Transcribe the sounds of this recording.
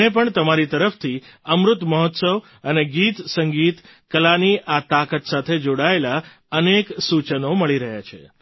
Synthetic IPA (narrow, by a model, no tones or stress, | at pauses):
ep̬əɳt̪əmaɾit̪əɾəft̪ʰiəmɾʊt̪məɦɔt̪səʋ | əneɡit̪səŋɡit̪ | kəlaniʔat̪akət̪sat̪ʰed͡ʒoɽaela | əneksut͡ʃənoməɭiɾəɦja̰t͡ʃʰḛ